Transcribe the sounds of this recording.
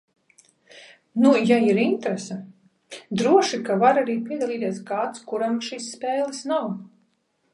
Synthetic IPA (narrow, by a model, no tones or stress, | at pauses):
nujaiɾint̪ɾɛsɛ | d̪ɾuɔʃikavaɾaɾiːpʲiɛd̪alˠiːt̪iɛsɡaːt̪skuɾamʃisːpɛːlˠisnaw